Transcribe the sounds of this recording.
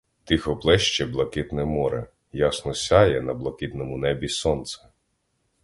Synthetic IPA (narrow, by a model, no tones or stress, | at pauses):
t̪ɪxɔplˠɛʃt͡ʃɛblˠɐkɪt̪nɛmɔɾɛ̰ | jɑsnɔsʲajɛnɐblˠɐkɪt̪nɔmʊnɛbʲisɔnt̪sɛ̥